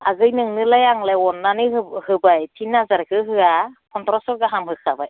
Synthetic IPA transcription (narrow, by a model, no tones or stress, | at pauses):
aɡɯjnɯŋnɯlajaŋlaɔnːanɯhɯbajtʰinːazaɾkʰɯɦɯakʰɔntʰɾɔsɔɡaɦamɦɯkʰabaj